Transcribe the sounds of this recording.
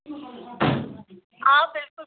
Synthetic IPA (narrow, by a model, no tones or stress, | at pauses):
ʔaːbɪlkʊ